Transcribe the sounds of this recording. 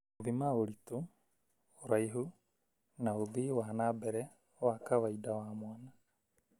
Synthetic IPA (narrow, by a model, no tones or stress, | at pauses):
ovimaoɾituː | ɾajɦu | nauðiwanabɛɾɛ | wakawajdawamoana